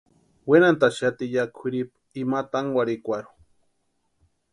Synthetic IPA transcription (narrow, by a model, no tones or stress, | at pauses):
wenant̪aʃat̪ijakʰiɾip | imat̪aŋwaɾikʷaɾu̥